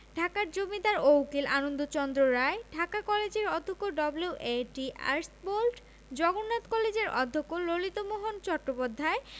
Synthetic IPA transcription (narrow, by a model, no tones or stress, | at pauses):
ɖʱakaɾd͡ʑomid̪aɾowkilanond̪ot͡ɕɔnd̪ɾoɾaeɖʱakakɔled͡ʑeɾɔd̪ʱːokːoɖɔbluuʔeʈia̰ɾsbolʈ | d͡ʑɔɡonːat̪kɔled͡ʑeɾɔ̰d̪ʱːokːololit̪omoɦont͡ɕɔkːopod̪ʱːae